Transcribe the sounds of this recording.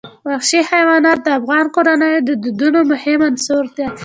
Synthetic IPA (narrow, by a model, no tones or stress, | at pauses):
waxʃihajwɑnɑt̪̚d̪əafɣɑnkoɾanəjod̪əd̪ud̪unomʊhɪmansoɾd̪e